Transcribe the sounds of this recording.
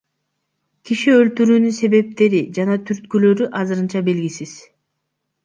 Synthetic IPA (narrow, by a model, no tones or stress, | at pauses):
kiʃiølt̪yɾyːnynse̞βe̞p̚t̪e̞ɾid͡ʒɑnɑt̪ʰyɾt̪̚kylø̞ɾyʔɑzɯɾɯnt͡ʃɑbe̞lɡisiz̥